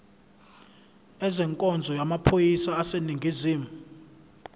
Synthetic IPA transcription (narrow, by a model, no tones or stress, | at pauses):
ɛzɛŋkʼɔnd͡zʱɔjamapʰojisaːseniŋɡʱiziːmu